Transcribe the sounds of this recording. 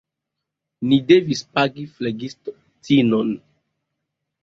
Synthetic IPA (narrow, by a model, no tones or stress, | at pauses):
nidevispaɡifleɡisto | tinon